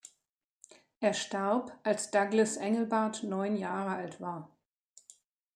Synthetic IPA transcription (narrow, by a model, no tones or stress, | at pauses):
ʔeːɐʃtaɐpʔalsd̥aɡləsʔɛŋl̩baɐtnɔʏnjaːʁəaltv̥aːɐ